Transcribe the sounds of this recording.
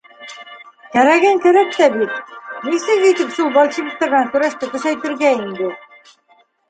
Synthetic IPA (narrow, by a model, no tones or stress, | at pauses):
kæɾæɡæŋkæɾæk̚t̪æbit̪̚nisɘzijt̪ɘpʃulˠbɒlʲˠt͡ɕibik̚t̪eɾnæŋkʉɾæʃt̪ɘkɵ̆ʃæjt̪ɘ̆ɾɡæind̪ɘ